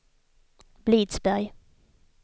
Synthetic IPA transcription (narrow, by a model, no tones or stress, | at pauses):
bliːt̪sbæɾj